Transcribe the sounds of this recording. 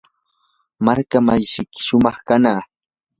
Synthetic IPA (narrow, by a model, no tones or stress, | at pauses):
maɾkamajʃɪkɪ̥ʃʊmɑχkanaː